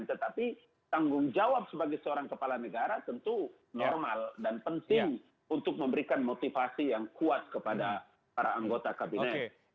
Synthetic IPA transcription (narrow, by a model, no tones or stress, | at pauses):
nt̪ət̪api | t̪aŋɡʊŋd͡ʒawap̚səbaɡɛjsəoɾaŋkəpalanəɡaɾat̪ənt̪u | nɔrmaldanpənt̪ɪŋ | unt̪ʊk̚məmbəɾikanmot̪ifasijaŋkuat̪̚kəpada | paɾaːŋɡot̪akabinɛt̪̚